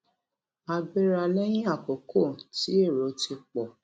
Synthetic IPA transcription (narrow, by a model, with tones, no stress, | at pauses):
a˧ɡ͡be˦ɾa˧lɛ˦j̃ĩ˦a˦˨ko˨ko˦˨ti˦e˦˨ɾo˨˦ti˧k͡pɔ˨